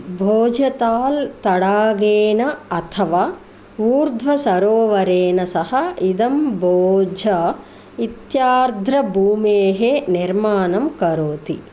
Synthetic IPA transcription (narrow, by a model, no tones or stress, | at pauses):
bʱoːd͡ʒʱɐt̪aːlt̪ɐɽaːɡeːnɐɐt̪ʰɐʋaː | ʋuːɾd̪ʱʋɐsɐɾoːʋɐɾeːnɐsɐhɐid̪ɐmbʱoːd͡ʒʱɐ | it̪jaːɾd̪ʱɾɐbʱuːmeːɦeniɾmaːnɐmkɐɾoːt̪ḭ